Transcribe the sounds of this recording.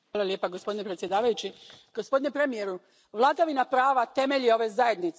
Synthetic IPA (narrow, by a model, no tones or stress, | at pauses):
aːlˠaljepaɡospo̞d̪inepɾet̪sje̞d̪aːʋajut͡ɕiɡ̥o̞spod̪inepɾe̞mije̞ɾu | ʋlˠaːd̪aʋinapɾaːʋat̪e̞me̞ʎio̞ʋe̞zaje̞d̪nit̪s